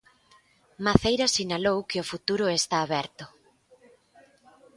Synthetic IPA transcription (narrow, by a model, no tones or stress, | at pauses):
maθejɾasinalowkɪʊfut̪uɾʊest̪aːβɛɾt̪ʊ